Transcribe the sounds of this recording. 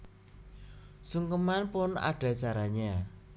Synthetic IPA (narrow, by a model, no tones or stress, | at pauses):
suŋkəmanpʊna̰ɖ̥a̤t͡ʃaɾaɲa